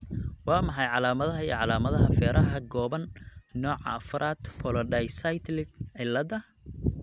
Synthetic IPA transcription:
wɑːmɑħɑjʕɑlaːmɐðɐɦɐijʕɑlaːmɐðɐɦɐfɛːɾʔɐɦɐɡɔːβɐnnɔːʕɑ̰ːfʊɾʔaːd̪pʰɔlɔɖɛjsajt̪ʰlɪʕɪlɐd̪ɐ

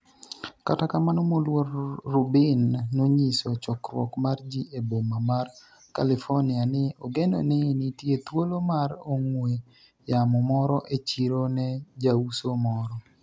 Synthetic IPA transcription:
katakamanomolwoɾːubɪnːoɲisɔt͡ʃɔkɾwɔ̰kmard͡ʒiʔebomamar | kalifonɪanɪoɡendo̰nɪnitjet̪wolomaɾoŋwe | jamɔmɔɾɔʔet͡ʃiɾonɛd͡ʒausomɔɾɔ

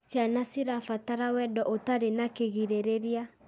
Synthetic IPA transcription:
sjanasiɾafataɾawɛdɔʔotaɾenakeɣiɾeɾeɾia

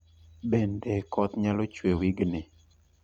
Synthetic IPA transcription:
bendɛkʰɔt̪ɲalɔt͡ʃwewiɡnɪ

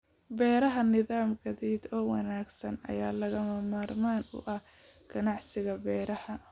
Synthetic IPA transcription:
bɛːɾɐɦɐnɪðaːmɡɐðɛːd̪ɔːwɑnaːɡsɐnɐ̰jaːlɐɣɐmɐmaːrmaːnʊ̰ʔɐhɡ̥ɐnɑʕsɪɣɐbɛːɾɐhɐ

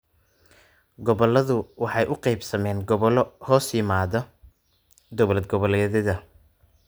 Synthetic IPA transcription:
ɡɔβɔlɐðʊwɑħɑjʔʊqejbsɐmɛːnɡɔβɔlɔhɔːsjɪmaːðɔ | d̪ɔβlɐd̪̚ɡɔβɔlɛːðɐðɐ

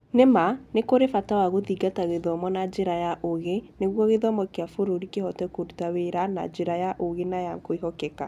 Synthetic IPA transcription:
nemanekoɾefatawaɣoðiɡataɣeðɔmɔnad͡ʒeɾajaʔoɣeneɣwɔɣeðɔmɔkeafoɾoɾikehɔtɛkoɾutaweɾana̰d͡ʒeɾajaʔoɣenajakoiɦɔkɛka

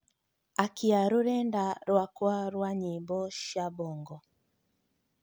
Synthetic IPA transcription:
akʰiaɾuɾɛndaɾwakwaɾwaɲibɔʃabɔŋɡɔ

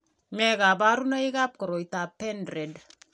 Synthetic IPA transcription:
meɡabaɾunaiɡap̚koɾoitapːendred

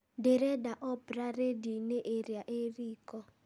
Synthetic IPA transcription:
deɾɛdaʔɔbraredinɛʔeɾiaʔeriːkɔ

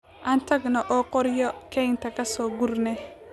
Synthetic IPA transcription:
ʔaːnt̪ʰɐɡnɔʔɔːqɔɾjɔkʰɛjnt̪ʰɐkʰɐsɔːɡʊrnɛ

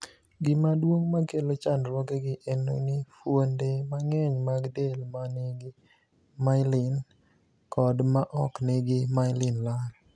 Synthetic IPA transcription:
ɡɪmadwoŋmakelot͡ʃandɾɔkeɡɪʔeno̰nɪfwondemaŋɛɲmaɡdelmaneɡɪ | maɪlɪn | kɔdmaʔɔkneɡɪmaɪlɪnlal

